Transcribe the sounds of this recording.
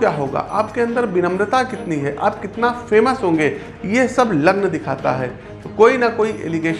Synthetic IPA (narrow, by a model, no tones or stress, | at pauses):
jaːɦoːɡa̰ːʔaːp̚keɐ̃nd̪əɾbɪnə̃mɾət̪akɪt̪niɦɛʔaːp̚kɪt̪nafʰeːməsɦõːŋɡeː | jesɐblɐɡnd̪ɪkʰaːt̪a̰ɦɛː | koːinɐkoːiʔḛːlɪɡeːʃ